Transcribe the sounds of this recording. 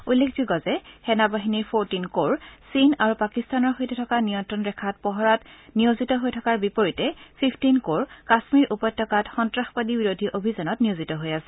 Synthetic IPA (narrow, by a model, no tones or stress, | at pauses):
ulːekʰzuɡɔzɛxɛnabaɦiniɹpʰoɹtinkoɹsinaɹupakistanɔɹxojtɛtʰɔkanijɔntɹɔnɹɛkʰat̚pɔɦɔɹatnijozitɔɦojtʰɔkaɹbipoɹitɛpʰipʰtinkoɹkasmiɹʔupɔjtʰːɔkatxɔntɹaxpadibiɹodʱiʔobʱizanɔtnijozitɔɦojasɛ̥